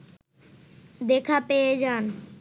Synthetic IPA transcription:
d̪ekʰapeed͡ʑan

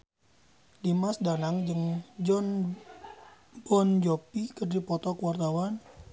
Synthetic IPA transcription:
dimasdanaŋd͡ʒɨŋd͡ʒn | bɔnd͡ʒopikərdipɔt̪ɔkəwart̪awan

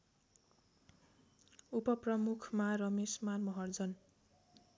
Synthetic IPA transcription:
upʌprʌmukʰmarʌmesmanmʌɦʌrd͡zʌn

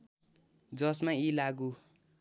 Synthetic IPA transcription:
d͡zʌsmailaɡu

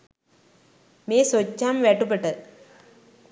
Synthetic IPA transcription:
meːsot͡ɕːaːmʋeːʈːɯpːeʈːɐ

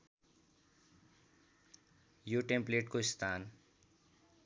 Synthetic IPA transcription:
joʈempleʈkoist̪ʰaːn

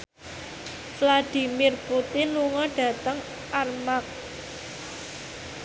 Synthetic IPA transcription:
flad̥i̤mirput̪ɪnluŋɔɖ̥ä̤t̪əŋ | ʔarmak̚

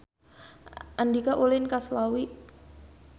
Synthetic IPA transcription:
ʔandikaʔulɪnkaslawiʔ

